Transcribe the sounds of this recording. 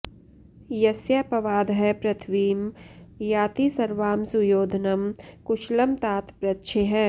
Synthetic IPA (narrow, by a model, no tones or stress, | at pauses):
jɐsjapɐʋaːd̪ɦɛpɾɐt̪ʰʋiːmjaːt̪isɐɾʋaːmsujoːd̪ʱnɐmkʊʃlɐmt̪aːt̪pɾɐtːʃʰeɦɛː